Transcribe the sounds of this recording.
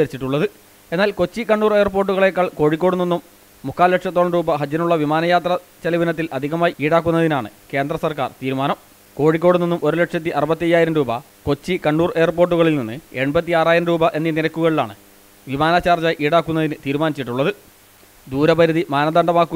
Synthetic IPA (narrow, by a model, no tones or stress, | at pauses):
ɐɾit͡ɕːiʈːuɭːɐðɨ | e̞nːaːlko̞t͡ɕːikɐɳɖuːre̞ːrporʈ̬ːuɣɐɭekːaːɭko̞ːɻikʲːo̞ːɽuninːumː | ukːaːlːeʈʂjɐt̪ːoːɭɐnɾuːbɐɦɐd͡ʑjɐnuɭːɐʋimaːnɐjaːt̪rɐt͡ɕɐliʋɐnɐt̪ːilʔɐd̪ʱiɣɐmaːjiiːɽaːk̬ːunːɐðinaːɳɨ̰ke̞ːnd̪rɐsɐrkaːrt̪iːɾumaːnɐm | ko̞ːɻik̬ʲːo̞ːɽuninːumʔo̞ɾule̞ʈʂjɐt̪ːiʔɐrɨbɐt̪ːiɐjːaːjiɾɐmɾuːbɐ | ko̞t͡ɕːikɐɳɖuːre̞ːrp̬o̞ːrʈ̬ːuɣɐɭilninːɨe̞ɳbɐt̪ːiaːraːjiɾɐmɾuːbɐʔe̞nːininɐkːuɣɐɭila̰ːɳɨ̰ | ʋimaːnaːt͡ɕːaːrt͡ɕaːjʔiːɽaːkːunːɐðinɨt̪iːɾumaːnit͡ɕːiʈːuɭːɐðɨ | d̪uːɾɐpɐɾuðimaːnɐd̪ɐɳɖɐmaːkːu